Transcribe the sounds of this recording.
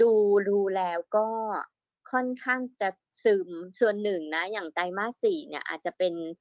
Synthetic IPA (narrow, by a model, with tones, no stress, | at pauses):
duː˧duː˧lɛː˦˥wkɔː˥˩ | kʰɔ˥˩˨nkʰaː˥˩ŋt͡ɕa˨˩ | sɯː˨˩msu˨˩ənːɯ˨˩ŋna˦˥jaː˨˩ŋta˧jmaː˥˩siː˨˩˦ni˥˩ɐʔa̰˨˩t̪̚t͡ɕa˨˩pe˧n